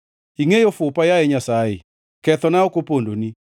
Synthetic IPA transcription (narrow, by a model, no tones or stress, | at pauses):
iŋejofʊpajaɛɲasaḛ | kɛt̪ɔnaokopondo̰ni